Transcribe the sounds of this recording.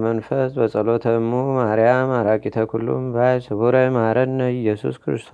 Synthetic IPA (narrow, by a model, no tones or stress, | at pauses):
mənfəsbəsʼəlot̪ʰəmːumaɾjamaɾakʼit̪ʰəkʰulːṵmbajsɨβuɾəjmaɾəd̪nəɪjːɛsṵskɨɾɨ̰st̪ʰo